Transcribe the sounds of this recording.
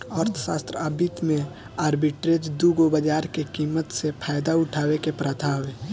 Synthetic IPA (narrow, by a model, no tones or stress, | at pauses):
əɾt̪ʰə̥saːst̪ɾəəbit̪mẽ | aːɾbiʈɾed͡ʒd̪uɡobəd͡ʒaːɾkekiːmət̪sepʰaːɪd̪aʊʈʰaːwekepɾat̪ʰaːʋe